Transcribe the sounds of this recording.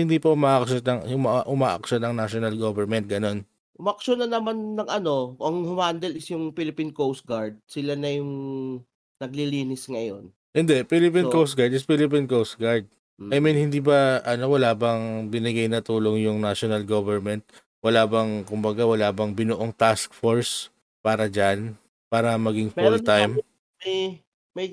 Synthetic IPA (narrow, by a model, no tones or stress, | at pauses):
hɪnd̪iːpɐʊmaːʔɐkʃonɐŋjʊŋmaʔʔʊmaːʔɐ̰k̚ʃonɐŋnaʃonɐlɡovɛɹmɛnt̪̚ɡɐno̞n | ʔʊmaʔɐkʃonɐnɐmanːɐŋʔɐno̞ʔɐŋhʊmand̪ɛlɪsjʊŋpilɪpinkowst̪̚ɡaɹd̪̚sɪlanɐjʊŋ | nɐɡ̚liliːnɪsŋɐjo̞n | hɪnd̪ɛʔpilɪp̬inkowst̪̚ɡaɹd̪ɪspilɪp̬inkows̚ɡaɹd̪̚ | ɐjminhɪnd̪iːbɐʔɐno̞wɐlaːbɐŋbɪnɪɡajnɐt̪uːlo̞ŋjʊŋnaʃonɐlɡovɛɹmɛnt̪̚ | wɐlaːbɐŋkʊmbɐɡawɐlaːbɐŋbɪnoʔoŋt̪askfoɹs | paːɾɐd͡ʒan | paːɾɐmɐɡɪŋfɛult̪ajm | j | mɐj